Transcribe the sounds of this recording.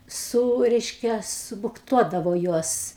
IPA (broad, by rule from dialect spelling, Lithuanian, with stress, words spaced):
ˈsuː ˈrʲɛɪʃʲkʲɛ sʊbʊkˈtuɔdɐʋoː ˈjuɔs